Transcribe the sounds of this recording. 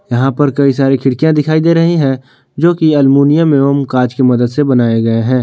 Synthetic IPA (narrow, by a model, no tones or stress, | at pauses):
jɐɦãpɐɾkɐisaːɾikʰɪɽkijãd̪ɪkʰaːid̪eːɾɐɦĩɦɛ̃ | d͡ʒoːkiɐlmuːnijamẽɐmkaːd͡ʒkimɐd̪əd̪sebɐnaːeɡɐeɦɛ̃ː